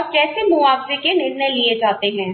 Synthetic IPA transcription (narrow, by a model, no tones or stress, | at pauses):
ɔːɾkɛːsemʊaːɡzekemɪɾnelied͡ʒaːt̪eɦɛ̃ː